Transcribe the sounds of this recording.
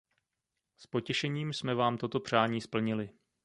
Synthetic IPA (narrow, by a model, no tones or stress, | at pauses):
spo̞cɛʃɛɲiːmsmɛvaːmt̪o̞t̪o̞pr̝̥aːɲiːspl̩ɲɪlɪ